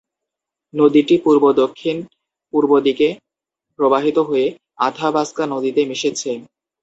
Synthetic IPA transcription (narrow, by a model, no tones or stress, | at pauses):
nod̪iʈipuɾbod̪okʰːin | puɾbod̪ike | pɾobaɦit̪oɦoe | ad̪ʱabʱaskanod̪it̪emiʃet͡ɕʰe